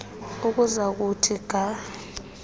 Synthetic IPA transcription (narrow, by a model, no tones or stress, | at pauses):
uk̬uzak̬utʰiɡ̥ʱa